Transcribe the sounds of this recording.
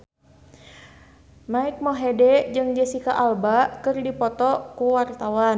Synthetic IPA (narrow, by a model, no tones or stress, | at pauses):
maik̚mɔɦedɛd͡ʒɨŋd͡ʒəsikaʔalbakɨrdipɔt̪ɔkuwart̪awan